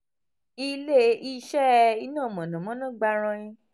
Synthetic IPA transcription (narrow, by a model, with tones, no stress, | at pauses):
i˧le˦˨˦i˦˧˦ʃɛ˦i˧nã˦˨mɔ̃˨nɔ̃˨mɔ̃˨˦nã˦ɡ͡ba˧ɾ̃ã˧jĩ˧